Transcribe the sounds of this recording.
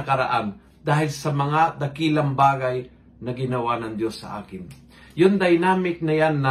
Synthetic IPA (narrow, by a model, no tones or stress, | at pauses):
ɐkɐɾaʔan | d̪aːhɪlsɐmɐŋad̪ɐkiːlɐŋbaːɡaj | nɐɡɪnɐwanɐŋd̪josːɐ̰ʔa̰ːkɪn | jʊnd̪ɐjnaːmɪk̚nɐjanːɐ